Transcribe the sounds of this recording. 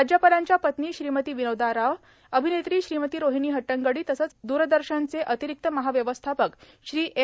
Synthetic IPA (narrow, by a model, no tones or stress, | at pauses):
ad͡ʑjapalaɲt͡ɕjapət̪niːɕɾiːmət̪iːʋinəwd̪aɾaʋ | əbʱinet̪ɾiːɕɾiːmət̪iːɾoɦiniːɦəʈːəŋɡəɽiːt̪əsət͡sd̪uːɾəd̪əɾɕənt͡seʔət̪iɾik̚t̪əməɦaʋjəʋəst̪ʰapək | ɕɾiːʔe